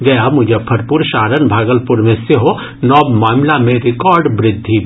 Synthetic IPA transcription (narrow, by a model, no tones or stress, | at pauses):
ɡɐjamʊd͡ʒʱepʰɐɾpuɾʃaːɾənbʱaːɡəlpʊɾmẽseɦo | nɔːbmaːmlamẽɾɪkɔːɾɖbɾɪd̪ʱːi